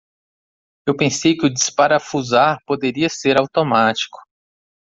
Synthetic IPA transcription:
ewpẽsejkɪʊd͡ʒispaɾɐfuzaɾpod̪eɾiɐseɾawt̪omat͡ʃi̥kʊ̥

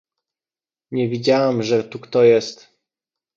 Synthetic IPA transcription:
ɲɛvʲid͡ʑawamʐɛt̪ukt̪ɔjɛst̪

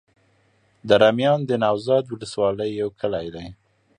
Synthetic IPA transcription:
d̪əɾamjɑnd̪ənɑwzɑd̪wʊləswɑləjːawkʰəlajd̪aj

